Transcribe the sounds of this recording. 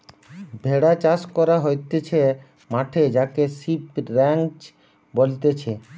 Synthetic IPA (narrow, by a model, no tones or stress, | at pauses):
bʱeɽat͡ɕaskɔɾaɦojt̪et͡ɕʰe | maʈʰed͡ʑakesipɾɛŋt͡ɕ | bolt̪et͡ɕʰe